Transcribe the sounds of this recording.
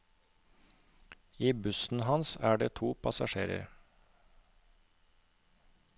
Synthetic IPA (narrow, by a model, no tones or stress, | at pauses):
iːbʉsn̩hɑnsæːɖeːt̪ʰuːpʰɑsɑʃeːɾə̰ɾ